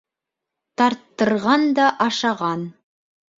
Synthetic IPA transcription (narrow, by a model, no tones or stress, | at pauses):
t̪ɑɾt̪ːɤ̆ɾʁɑnd̪ɑʔɑʃɑʁɑn